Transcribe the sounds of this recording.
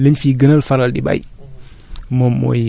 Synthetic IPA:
ləɲfiːɡənalfaɾaldḭba̰j | momːo̰

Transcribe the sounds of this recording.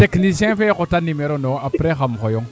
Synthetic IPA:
teknisjɛ̃fekotanimeɾonõapɾexamxojoŋ

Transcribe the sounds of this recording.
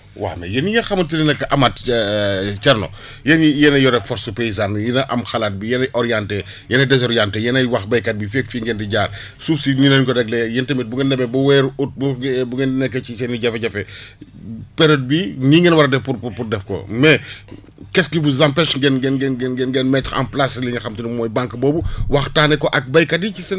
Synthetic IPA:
wa̰mɛ̰jɛnijɐxɐmuntininɛkːɐʔɐmatː | t͡ʃɛɾnɔ̰ | jɛnijɛnɐjɔɾɛfɔɾsupejizanjinɐʔɐmxɐlat̚bijɛnɐjʔɔɾijantɛ | jɛnɐjdɛs̬ɔɾijantɛjɛnɐjwɐxbɐjkɐt̚bifek̚fiŋɡɛndiɟaːr | sufsininɐnkɔdɛɡ̚lɛjɛntɐmit̚buŋɡɛnːɛmɛbɐwɛːɾut̚bubuɡɛnnɛkːɐisɛniɟɐfɐɟɐfɛ | pɛɾɐt̚biniːŋɡɛnwɐɾɐdɛfpuɾpupurdɛfkɔ̰mɛ | kɛstifuzampɛʃŋɡɛnɡɛnɡɛnɡɛnɡɛnɡɛnmɛtɐ̰mplasliɲɐxɐmtinmɔːjbaŋkbɔːbuwɐxtaːnɛkɔʔɐk̚bɐjkadicisɛn

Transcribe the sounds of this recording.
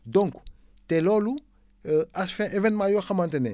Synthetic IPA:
dɔ̃ŋk | telolu | asfɛ̃ʔevɛ̃nmãjoxɐmãntenḛ

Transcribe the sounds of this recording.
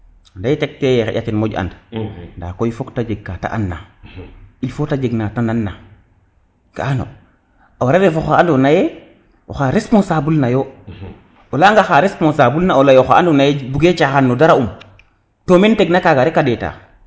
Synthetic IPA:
ndajetek̚tejexḛʔa̰kinmoɟa̰ndnda̰kojfoktad͡ʒeɡːata̰ʔa̰nːa̰ | ilfotad͡ʒeɡnatananːa | ɡ̥aano̰ | awaɾaɾefoxaandonaje | o̰xaɾespõnsabulnajo | olaŋɡaxaɾespõnsabulnaolajoxa̰andonajebuɡet͡ʃaxanːodaɾaum | tomenteɡnakaɡaɾekadeta̰ː

